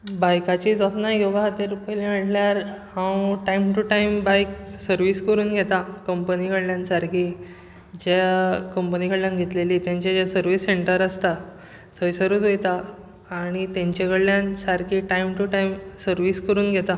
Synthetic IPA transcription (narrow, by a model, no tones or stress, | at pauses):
bajkat͡ɕid͡zat̪najoʋaɦət̪eɾupəliməʈljaɾhãwʈaimʈuʈaimbajksəɾʋiskəɾuːnɡʱet̪akəmpənikəɽljãnsaɾkʰiː | d͡ʑekəmpənikəɽljãnɡʱet̪leliːt̪jãɲt͡ɕad͡ʑasəɾʋisːeɳʈəɾəst̪a | t̪ʰəisəɾuːt͡sojt̪aː | ɽ̃it̪aɲt͡ɕekəɽljansaɾkʰiʈaimʈuʈaimsəɾʋiskəɾuːnɡʱɛt̪a